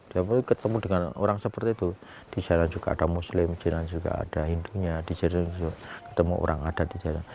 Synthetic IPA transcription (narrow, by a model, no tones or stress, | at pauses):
d̥iapkət̪əmudəŋano̰ɾaŋsəpərt̪iːt̪u | d̥id͡ʒaɾand͡ʒuɡ̥a̰ːd̥amuslɪmd͡ʒanand͡ʒuɡa̰a̰d̥aɦinduɲad̥id͡ʒaɾand͡ʒakət̪əmuʔo̰ɾʔaŋad̥at̪̚did͡ʒaɾnan